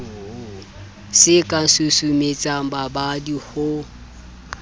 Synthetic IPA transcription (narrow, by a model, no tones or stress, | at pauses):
sɪkʼasusumet͡sʼababadihʊ